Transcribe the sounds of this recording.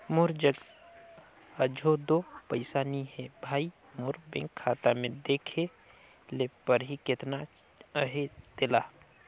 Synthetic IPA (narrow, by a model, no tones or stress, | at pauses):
mʊɾd͡ʒəɡ | əd͡ʒʱod̪opəɪsaːniɦɛbʱaːi | mʊɾbḛ̃ŋkʰːaːt̪amẽd̪eːkʰe | lepəɾɦikɪt̪na | əɦed̪̥ɪlaː